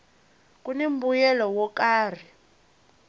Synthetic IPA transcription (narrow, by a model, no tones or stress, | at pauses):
k̬ʼunem̩bujɛlɔwɔkaːr̤i